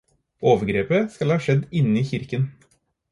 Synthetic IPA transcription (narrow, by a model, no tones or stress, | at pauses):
oːʋəɾɡɾeːpəskɑlhɑːʂɛd̪ɪnːəiːçɪɾkən